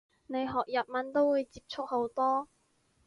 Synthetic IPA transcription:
ne˨˧jɦɔː˨k̚jɐ˨p̚mɐ˨˥nt̪o˥wuː˨˧jt͡siː˧p̚t͡sʰʊ˥k̚ho˨˥wt̪ɔː˥

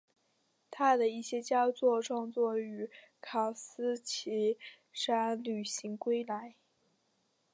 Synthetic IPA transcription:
t̪ʰa˥d̪ə˨i˥˩ɕjɛ˥t͡ɕjɑ˥t͡swɔ˥˧ʈ͡ʂwɑ˥˧ŋt͡swɔ˥˩y˧˥ | kʰɑ˨˩sɹ̩˥t͡ɕʰi˧˥ | ʂa˥nly˨˩ɕi˧˥ŋkwe˥ɪla˧˥ɪ

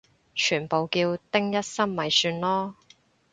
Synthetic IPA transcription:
t͡ʃʰyː˨˩npo˨wkiː˧wt̪ɪ˥ŋjɐ˥t̚sɐ˥mmɐ˨jsyː˧nlɔː˥

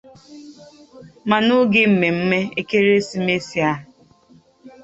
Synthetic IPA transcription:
ma˨nu˦ɡɪ˦m̩˨me˨m̩˦me˦e˦ke˦ɾe˦si˦me˦si˦a˦ɦ

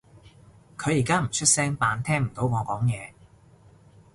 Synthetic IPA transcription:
kʰɵ˨˧jiː˨˩kaː˥m̩˨˩t͡ʃʰɵ˥t̚sɛː˥ŋpaː˨˧nt̪ʰɛː˥ŋ̩˨˩t̪o˨˥wŋɔː˨˧kɔː˨˥ŋjɛː˨˧

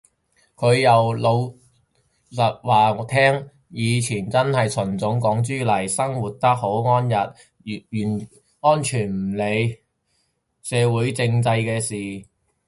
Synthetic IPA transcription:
kʰɵ˨˧ɥjɐ˨wlo˨˧w | sɐ˨t̚waː˨˧t̪ʰɛː˥ŋ | jiː˨˧t͡sʰiː˨˩nt͡sɐ˥nhɐ˨jt͡sʰɵ˨˩nt͡sʊ˨˥ŋkɔː˨˥ŋt͡ʃyː˥lɐ˨˩jsɐ˥ŋwuː˨t̚t̪ɐ˥k̚ho˨˥wŋɔː˥njɐ˨t̚ | yː˨˩n | ŋɔː˥nt͡ʃʰyː˨˩nm̩˨˩le˨˧j | sɛː˨˧wuː˨˥jt͡sɪ˧ŋt͡sɐ˧jkɛː˧siː˨

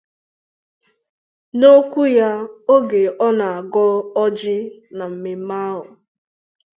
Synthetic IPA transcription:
no˦kʷu˦ja˦o˦ɡe˨ʔɔ˦na˨a˨ɡɔ˦ɔ˦d͡ʒɪ˦na˨m̩˨me˨m̩˦ma˦ɦʊ˨

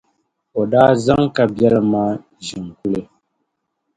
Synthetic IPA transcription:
ɔ˨daː˦za˦ŋka˨bjɛ˦la˦maː˦ | ʒi˨ŋku˦le˦

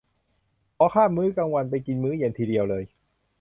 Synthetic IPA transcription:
ʔɔː˧˩kʰaː˥˩mmːɯː˦˥kaː˧ŋwa˧np̬a˧jki˧nmɯː˦˥je˧˩nt̪ʰiː˧di˧əwlɤː˧j

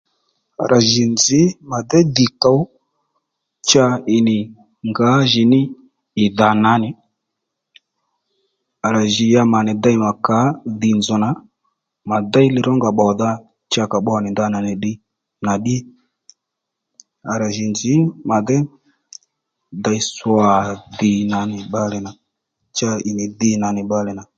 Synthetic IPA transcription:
a̰˨ɾʔa˨ʒi˨nd͡zɪ˨˦ma˨dɛ˦di˨ka˨˦ | t͡ʃa˧ɪ˨nɪ˨ | ŋɡa˨˦ʒɪ˨nɪ˦ | ɪ˨ða˨na˨˦nɪ˨ | a˨ɾa˨ʒɪ˨ja˧ma˨nɛ˨da˧i˦ma˨ka˨˦ði˨nd͡zɔ˨na˨˦ | ma˨da˦i˦lɪ˨ɾɔ˦ŋɡa˨ɓɔ˨ða˦ | t͡ʃa˧ka˨ɓɔ˦a˨nɪ˨d̪a˧na˨nɪ˨ɗɪ˦ | na˨ɗi˦ | a˨ɾa˨ʒi˨nd͡zɪ˨˦ma˨dɛ˦ | da˧jswa˨ðɪ˨na˨˦nɪ˨ɓa˦lɛ˨na˨ | t͡ʃa˧ɪ˨nɪ˨ðɪ˧na˨nɪ˨ɓa˧lɛ˨na˨

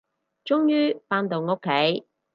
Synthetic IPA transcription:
t͡ʃʊ˥ŋjyː˥paː˧˥nt̪o˨wŋo˥kʰːe˨˥j

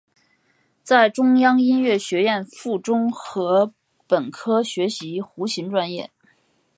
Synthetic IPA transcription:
t͡sa˥˩ɪʈ͡ʂʊ˥ŋjɑ˥ŋi˥nɥɛ˥˩ɕɥɛ˧˥jɛ˥˧nfu˥˩ʈ͡ʂʊ˥ŋxɤ˧˥ | pə˨˩nkʰɤ˥ɕɥɛ˧˥ɕi˧˥xu˧˥ɕi˧˥ŋʈ͡ʂwa˥njɛ̰˥˩

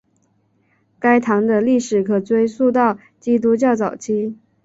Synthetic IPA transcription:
ka˥ɪt̪ʰɑ˧˥ŋd̪ə˧li˥˩ʂɻ̩˨˩kʰɤ˨˩t͡swe˥ɪsu˥˧t̪̬ɑ˥˩ʊ | t͡ɕi˥t̪̬u˥t͡ɕjɑ˥˩ʊt͡sɑ˨˩ʊt͡ɕʰi˥

